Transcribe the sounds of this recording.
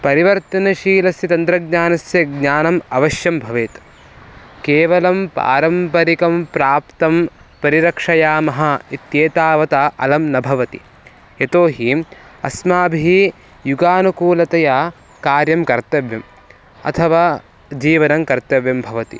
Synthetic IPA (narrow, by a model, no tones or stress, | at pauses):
pɐɾiʋɐɾt̪ɐnɐʃiːlɐsjɐt̪ɐnd̪ɾɐɡɲaːnɐsjɐɡɲaːnɐmɐʋɐʃjɐmbʱɐʋeːt̪ | keːʋɐlɐmpa̰ːɾɐmpɐɾikɐmpɾaːpt̪ɐmpɐɾiɾɐkʂɐjaːmɐɦɐit̪jeːt̪aːʋɐt̪aʔɐ̰lɐmnɐbʱɐʋɐt̪i | et̪oːɦiɐsmaːbʱii | juɡaːnukuːlɐt̪ɐjaː | kaːɾjɐmkɐɾt̪ɐʋjɐm | ɐ̰t̪ʰɐʋaː | d͡ʒiːʋɐnɐmkɐɾt̪ɐʋjɐmbʱɐʋɐt̪ḭ